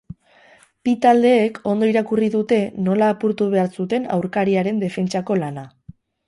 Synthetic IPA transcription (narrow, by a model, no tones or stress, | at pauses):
pit̪ald̪e̞ːkʰo̞nd̪o̞iɾakuriðut̪e̞no̞laːpuɾt̪uβ̞e̞aɾsut̪e̞na̰wɾkaɾiaɾe̞nd̪e̞fe̞nt͡ʃako̞lana